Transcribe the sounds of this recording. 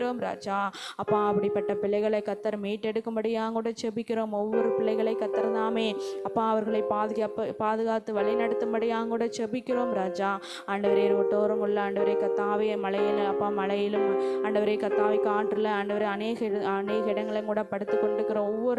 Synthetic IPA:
ɾoːmɾa̰ːd͡ʒaːɐpːãːɐpːɐɽɪpːɐʈːɐpɪɭɐɪɣɐɭɐɪkːɐt̪ːɐɾmiːʈːɛɽɯkːɯmbɐɽɪjaːŋkuːɽɐt͡ʃɛbɪkʲːɪɾoːmɔʋːɔɾɯpɪɭːɐɪɣɐɭɐɪkːɐt̪ːɐɾt̪aːmeːɐpːãːɐʋɐɾɣɐɭɐɪpaːðpaːðɯɣaːt̪ːɯʋɐɭɪnɐɽɯt̪ːɯmbɐɽɪjaːŋkuːɽɐt͡ʃɛbɪkʲːɪɾoːmɾaːd͡ʒaː | aːɳɖɐʋɐɾeɾɔʈːoːɾɐŋɡɐɭɪlːɐaːɳɖɐʋɐɾɐɪkːɐt̪ːaːʋemɐɭɐjɪlɐpːaːmɐlɐjɪlɯmaːɳɖɐʋɐɾɐɪkɐt̪ːaːʋɐɪkaːʈrɯlɐɐːɳɖɐʋɐɾɐɐneːɣɐɐneːɣɐɪɽɐŋɡɐɭɐŋkuːɽɐpɐɽɯt̪ːɯkːɔɳɖɪɯkːɪɾɐ̃ɔʋːɔɾ

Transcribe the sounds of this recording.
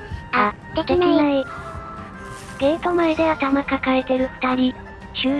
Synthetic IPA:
a | a | ɡ̥eːt̪omaed̪e̞βat̪amakakaɾe̞t̪e̞ɾɯ̟ɸɯ̟̥t̪aɾʲi | ɕɨː

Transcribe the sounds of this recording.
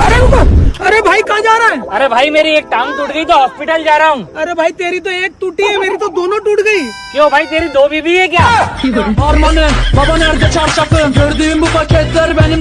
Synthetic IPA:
ɐɾeɐɾebʱaːikãd͡ʒaːɾaːɛɐɾebʱaːimeːɾieːk̚ʈãːŋ̚ʈuːʈɡəit̪̬oɦɔːspɪʈəld͡ʒaːɾaɦũːɐɾebʱaːit̪eːɾit̪oeːk̚ʈ̪uːʈiɦɛmeːɾit̪od̪oːnõʈuːʈɡəi | kõbʱaːit̪eːɾid̪oːbʱibʱiɦɛk̬jaːɦɛʈʰiaːɾmɐnebɐbɐneɐɾd͡ʒ̪ɐt͡ʃaːɾt͡ʃɐkpʰeɾd̪imbupɐkʰet̪əɾbɛni

